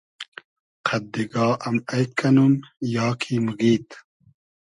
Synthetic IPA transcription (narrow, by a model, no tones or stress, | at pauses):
qʰɐd̪ːiɡɑːʔɐmɐjkːɐnumjɑːkʰiːmuɡiːt̪